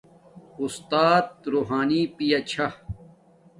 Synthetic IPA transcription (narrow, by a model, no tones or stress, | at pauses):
ust̪aːt̪̚ɾuːɦaːnipijɐt͡ɕʰɐ